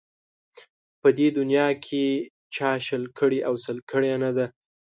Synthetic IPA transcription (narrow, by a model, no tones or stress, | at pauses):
pəd̪ed̪ʊnjɑkʰe | t͡ʃɑʃəlkʰəɽiʔawsəlkəɽjanad̪a